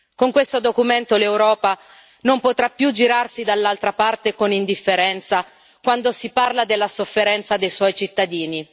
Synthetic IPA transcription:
koŋkwest̪od̪okument̪olewɾɔːpa | nompot̪ɾapːjud͡ʒiɾarsid̪alːalt̪ɾapart̪ekonind̪ifːeɾɛnt̪sa | kwand̪osiparlad̪elːasofːeɾɛnt̪sad̪ejswɔjt͡ʃit̪ːad̪iːni

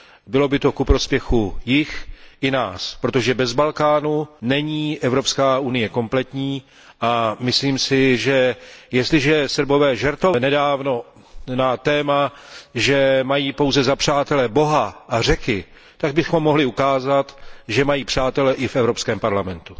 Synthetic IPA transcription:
bɪlo̞bɪt̪o̞kupɾo̞spjɛxujɪxʔɪnaːspɾot̪o̞ʒɛbɛzbalkaːnunɛɲiːʔɛvɾo̞pskaːʔunɪjɛko̞mplɛt̪ɲiː | ʔamɪsliːmsɪʒɛjɛst̪lɪʒɛsr̩bo̞vɛːʒɛɾt̪onɛdaːvno̞ | nat̪ɛːmaʒɛmajiːpo̞wzɛzapr̝̥aːt̪ɛlɛbo̞ɦaʔar̝ɛkɪ | t̪aɡ̚bɪxo̞mːoɦlɪukaːzat̪ʒɛmajiːpr̝̥aːt̪ɛlɛʔɪfɛvɾo̞pskɛːmpaɾlamɛnt̪u̥

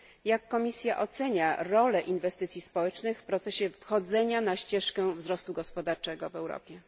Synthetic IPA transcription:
jakːɔmʲisʲjaʔɔt̪sɛɲaɾɔlɛʔinvɛst̪ɘt̪sʲjispɔwɛt͡ʂnɘxfpɾɔt̪sɛɕɛfxɔd̪zɛɲanaɕt͡ɕɛʂkɛvzɾɔst̪uɡɔspɔd̪aɾt͡ʂɛɡɔvɛwɾɔ̰pʲjɛ

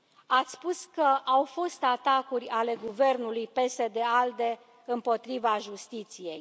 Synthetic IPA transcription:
at̪sʲspuskəʔawfo̞st̪at̪akurʲale̞ɡuve̞rnulujpe̞se̞d̪e̞ald̪e̞ | ɨmpo̞t̪ɾivaʒust̪it̪sije̞j

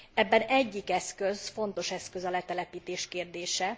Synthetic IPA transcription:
ɛbːɛnɛɟːikɛskøzfo̞nt̪o̞ʃɛskøzɒlɛt̪ɛlɛpiːt̪eːʃkeːrd̪eːʃɛ

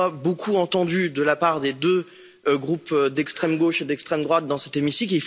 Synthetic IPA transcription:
abokʰuɑ̃t̪ɑ̃d̪yd̪əlapaʁd̪ed̪ø | ɡʁupd̪ɛkst̪χɛmɡoʃed̪ɛkst̪χɛmd̪ʁwat̪̚d̪ɑ̃sɛt̪emisikleif

